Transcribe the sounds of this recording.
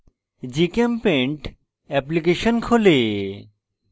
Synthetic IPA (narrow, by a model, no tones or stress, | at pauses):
d͡ʑikempeɳʈ | ɛplik̬eʃonkʰole